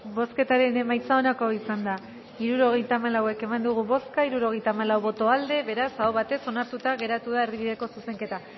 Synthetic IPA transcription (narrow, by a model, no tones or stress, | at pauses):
bo̞ske̞t̪aɾe̞ne̞majt͡saonako̞isand̪a | iɾuɾo̞ɣ̞e̞jt̪aːmalawe̞ke̞mand̪uɣ̞uβo̞skaiɾuɾo̞ɣe̞jt̪amalawβo̞t̪o̞ald̪e̞βe̞ɾasaoβat̪e̞so̞naɾt̪ut̪aɣe̞ɾat̪uð̞aerðiβiðe̞ko̞suse̞ŋke̞t̪a